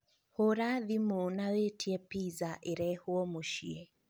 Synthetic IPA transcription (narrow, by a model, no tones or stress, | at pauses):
hoɾaðimonawetʰiɛpizaʔeɾɛhuɔmoʃiɛ